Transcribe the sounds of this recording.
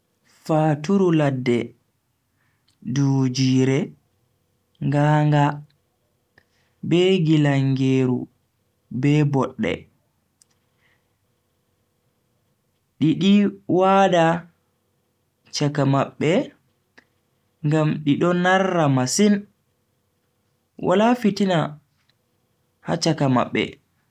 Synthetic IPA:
faːtuɾuladːɛ | duːd͡ʒiːɾɛ | ŋɡaːŋɡa | bɛːɡilaŋɡeːɾṵ | bɛbɔɗːɛ̰ | ɗiɗiwaːɗa | t͡ʃakamaɓːɛ | ŋɡamɗiɗɔnarːamasin | wʔa̰lafitina | ha̰t͡ʃakama̰ɓːɛ̰

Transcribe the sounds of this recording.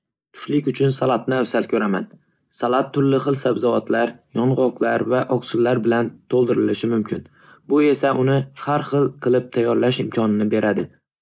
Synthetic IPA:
t̪ʰʊ̥ʃlɪkʲʊt͡ʃʰʊnsalˠat̪nɪafsalkʰɵɾama̰n | salˠat̪ʰːʊɾlɪχɨlˠsabzɒvat̪ʰlaɾjɒnʁɒqlˠaɾvaʔɒksʊlːaɾbɪlant̪ʰolˠd̪ɪɾɪlɪʃɪmʊmkʲʰɪn | bʊe̞saʔʊnɪhaɾχɨlˠqʰɨlˠɪp̚t̪ʰajːɒɾlaʃɪmkʰʲɒnɪnɪbe̞ɾʔad̪ɪ

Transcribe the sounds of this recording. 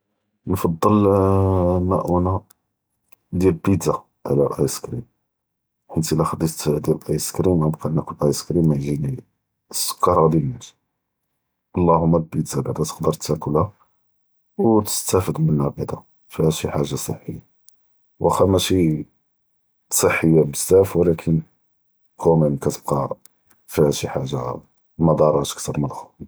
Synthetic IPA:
nfɑd̪ˤːəl | mæʔuna | d̪jælbid̪za | ʕlæ̰lʔɑjskɾḭm | ʔənt̪ilæxəd̪it̪d̪jælʔɑjskɾimæbqɑnːækəlʔæjskɾimːæjʒini | sːʊ̥kːɑɾˤhæd̪ælnæt̪ | ʔɑlˤːɑhʊmːælbid̪zabaʕd̪æt̪ə̥qd̪əɾt̪ːækəlæ | wt̪ə̥st̪æfəd̪mənːæbaʕd̪a | fihæʃiħaʒːasˤə̰ħːəjːa | wʔæxæmæʃi | sˤəħːəjːabəzːæfwəlækʰən | kʰumənkæt̪əb̥̚qɑ | fihæʃiħaʒːa̰ | mɑd̪ɑɾˤɑt̪ə̥kt̪ɑɾˤməlxu

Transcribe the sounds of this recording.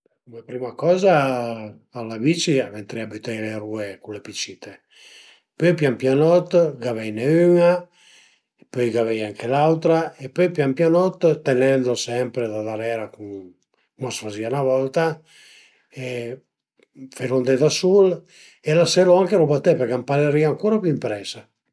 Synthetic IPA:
ɛkumepɾimakɔːza | alːavit͡ʃiament̪ɾeabit̪ɛjleɾuːekunlepit͡ʃit̪ʰe | pɔjpjampjanɔt̪ɡavɛjneyna | epɔjɡavɛjaŋkʰelawt̪ɾaepɔjpjampjanɔt̪ːt̪ːenɛnd̪osɛmpɾed̪ad̪aɾɛːɾakuŋ | kumasfazianavɔlt̪a | e | feɾond̪ed̪asul | elasɛloaŋkeɾobat̪ːɛpeɾkampaleɾiaŋkuːɾapjuimpɾɛsa

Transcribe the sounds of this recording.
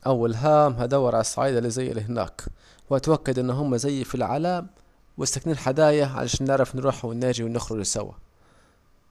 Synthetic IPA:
ʔawːalɦaːmɦad̪awːɑɾˤʕalasˤːaʕiːd̪alizaj̰ːliɦɪna̰ːk | wɪʔat̪wakːad̪ʔɪnːɦʊmːazajːfilʕa̰laːm | wɪst̪akniːnħad̪aːjaʕa̰lʔa̰ʃaːnːɪʕɾˤɑfnɾuːħwɪnːaːd͡ʒiwɪnɪxɾʊd͡ʒsa̰wa̰

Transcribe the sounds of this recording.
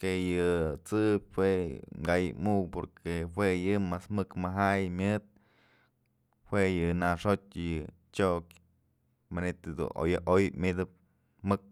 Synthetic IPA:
kejɨt͡sɨbʲhweŋɡajɨmukpoɾkehwejɨmasmɨkmaɦajmʲɨt̪̚ | hwejɨnaʂot͡ʃʲjɨ | t͡ʃoʔk | manet̪ɨd̪ṵno̰jaʔojmʲid̪ɨp̚ | mɨk̚

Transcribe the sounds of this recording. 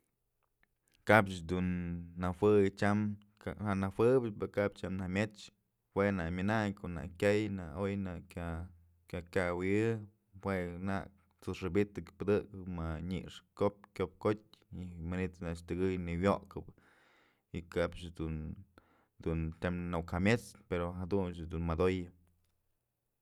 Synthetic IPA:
kapt͡ʃd̪unːahwɨjt͡ʃam | ahaʔnawɨbɨt͡ʃpakapt͡ʃamnahmʲet͡ʃ | hwenaʔmʲinaɲkoʔna̰ʔkʲajnaojnaʔkʲa | kʲakʲawiɨ | wenaʔ | t͡sɨʂɨbit̪ɨkpɨd̪ɨkɨmaɲḭʔʂkop̚kʲop̚kot̚ʲimanit̪naʔt͡ʃt̪ɨɡɨjniwjoʔkɨp | ikabt͡ʃd̪un | d̪unt͡ʃamnoʔkhamʲet͡speɾoɦad̪unt͡ʃd̪unmad̪ojɨ

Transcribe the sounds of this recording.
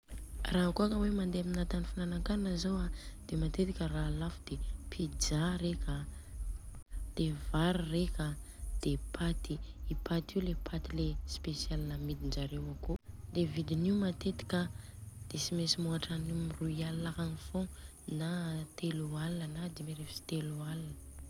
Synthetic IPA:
raɦakuakəwemand̪eaminat̪anifinanaŋkannazowad̪̥emat̪et̪ikʲəraːlafud̪̥epʰid͡ʒaɾekʲə | d̪̥evaɾirekʲa | d̪̥epʰat̪iːpʰat̪iulepʰat̪ilespesialnamid̪ind͡ʒaɾewakulevid̪iniumat̪et̪i̥kʲəd̪̥esimesimuaʈ͡ʂanimiruialakanifõ | nat̪elualnənad̪imeɾefsi̥t̪elualnə

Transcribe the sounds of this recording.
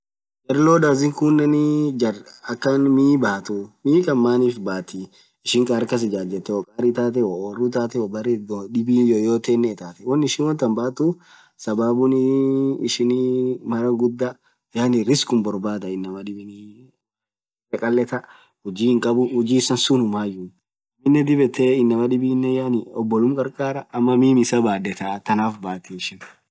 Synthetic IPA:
d͡ʒɐɾloːd̪aːzɪŋkunːɐnɪd͡ʒɐɐkːɐnmiːbaːt̪umiːkʼɐmːaːniːfbaːt̪i | ɪʃɪŋkʼɐɾkɐs̬ɪd͡ʒaːd͡ʒɛt̪ːɛɔkʼaːɾit̪aːt̪̬ɛwɔorːut̪aːt̪ɛwɔbɐɾɛdɪbiːnjoːjoːt̪eːnːɛt̪aːt̪ɛwɐnːɪʃɪnwɐnt̪ːɐnbaːt̪u | sɐbaːbʊnɪɪʃɪnimɐɾɐɡʊd̪ːa | janɪɾɪskʊmbɔɾbaːd̪ɐɪnːɐmɐᶑɪbɪn | ɛkʼɐlːɛt̪ɐ | hʊd͡ʒiːhɪŋkʼɐbʊhʊd͡ʒiːsɐnsunʊmaːjʊ | mɪnːɛd̪ɪbɛt̪eːɪnːɐmɐᶑ̪ɪbinːɛjaːnɪɔbːɔlʊmkʼɐɾkʼaːɾɐʔːmːɐmiːmɪsɐbaːd̪ɛt̪at̪ɐnaːfbaːt̪iɪʃɪn

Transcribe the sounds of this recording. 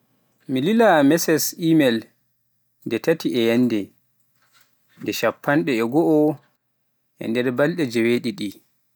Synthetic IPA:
mililamɛsɛsimɛl | ndɛtatiʔɛjanːdɛ | ndɛʃapʰːanɗɛːɡɔʔɔ | ʔɛ̰ndɛɾbalɗɛd͡ʒɛweɗiɗi

